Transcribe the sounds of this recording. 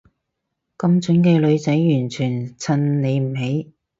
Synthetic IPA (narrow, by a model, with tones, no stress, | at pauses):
kɐ˧mt͡sɵ˨˥nkɛː˧lɵ˨˧ɥt͡sɐ˨˥jjyː˨˩nt͡ʃʰyː˨˩nt͡sʰɐ˧nne˨˧jm̩˨˩ɦe˨˥j